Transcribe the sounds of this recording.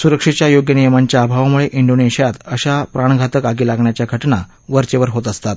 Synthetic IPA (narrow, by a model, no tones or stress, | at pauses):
suɾəkʂit͡ɕjajoɡjənijəmaɲt͡ɕjaːbʱaʋmuɭeʔiɳɖoneɕijat̪əɕapɾaɳ̃ɡʱat̪əkaɡiːlaɡɳjat͡ɕjaɡʱəʈɳa̰ | ʋəɾt͡ɕeʋəɾɦot̪əst̪at̪